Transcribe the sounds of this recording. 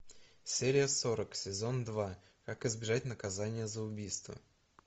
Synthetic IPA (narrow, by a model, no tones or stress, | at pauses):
sʲeɾʲɪjəso̞ɾəksʲɪzo̞nd̪va | kakɪzbʲɪʐat̚ʲnəkɐzanʲɪjəzəʊbʲijst̪və̰